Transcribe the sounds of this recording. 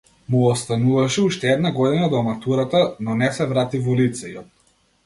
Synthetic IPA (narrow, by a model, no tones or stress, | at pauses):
muɔst̪anuvaʃɛuʃt̪ɛɛd̪naɡɔd̪inad̪ɔmat̪uɾat̪anɔnɛsɛvɾat̪ivɔlit̪sɛjɔt̪̚